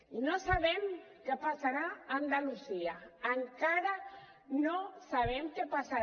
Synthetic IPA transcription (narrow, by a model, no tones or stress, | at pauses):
inosaβem | kepasaɾaand̪alusiaaŋkaɾa | nosaβemkepasa